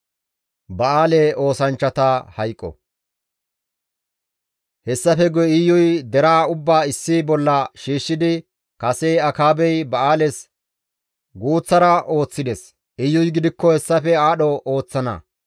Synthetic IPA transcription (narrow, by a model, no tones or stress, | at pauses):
bɐaːleo̞ːsɐnt͡ʃːɐt̪ɐhɐjkʼːɔ̰ | hɛsːɐfɛɡɔɪjːʊjd̪ɛɾaːʊbːaːɪsːibɔlːɐʃiːʃːɪd̪ɪ | kɐsejɐkaːbɛjbɐaːlɛs | ɡuːt͡sːɐɾɐʔo̞ːt͡sːɪd̪ɛs | ɪjːʊjɡɪd̪ɪkːɔhɛsːɐfɛaːɗɔo̞ːt͡sːɐnɐ̰